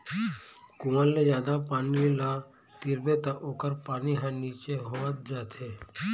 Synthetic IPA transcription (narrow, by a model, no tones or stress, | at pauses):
kʊməlːezjaːd̪apaːnila | t̪iɾbet̪aʔoːkəɾpaːniɦãniːt͡ʃeɦoət̪̚d͡ʒaːt̪ʰeː